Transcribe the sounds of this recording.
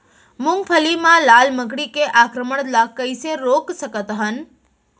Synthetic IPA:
mʊ̃ŋɡpʰəlimãlalməkɽikeʔakɾəməɽ̃lakəjseɾoksəkət̪ɦən

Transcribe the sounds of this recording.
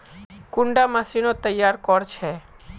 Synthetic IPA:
kʊɳɖamasinot̪əjːaɾkɔɾt͡ʃʰe

